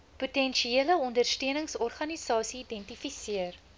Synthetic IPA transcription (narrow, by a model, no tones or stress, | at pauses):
putɛnʃieələɔndərstøənəŋsɔrχɐnisɑːsiːdɛntifisiər